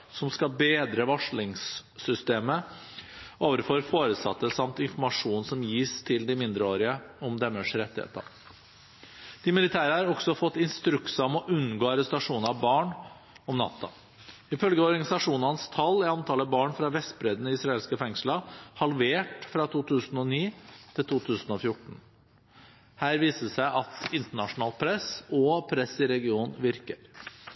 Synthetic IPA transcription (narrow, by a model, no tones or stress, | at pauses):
sɔmskɑbeːd̪ɾəʋɑʂɭɪŋsːʏst̪eːmə | oːʋəɾfɔɾfoːɾəsɑ̰t̪ːəsɑmt̪ɪnfɔɾmɑʂuːnsɔmjiːst̪ʰɪld̪ɪmɪnd̪ɾəoːɾɪəɔmd̪ɛmːəʂɾɛt̪ːɪhḛːt̪ɑ̰ | d̪̥ɪmɪlɪt̪ʰæːɾəɑɾɔksɔfɔt̪ːɪnst̪ɾʉksɑmɔʔʉnɡoːɑɾɛst̪ɑʂuːnɾɑʋbɑːɳ | ɔmnɑ̰t̪ʰːə̰ | ɪfœlɡəɔɾɡɑnɪsɑʂuːnəhɑnst̪ʰɑlːɪɑnt̪ʰɑːləbɑːɳfɾɑʋɛst̪̚bɾɛd̪nəɪsɾɑeːlskəfɛŋsləhɑlʋeːʈfɾɑt̪ʰuːt̪ʰʉːsn̩ɔniːt̪ʰɪlt̪uːt̪ʰʉːsn̩ɔfjʊʈːɳ̩ | hæːɾʋiːsəsæɪʔɑt̪ɪnt̪əɳɑʂʊnɑːlpʰɾɛsɔpʰɾɛsːɪɾɛɡɪuːnʋɪɾkəɾ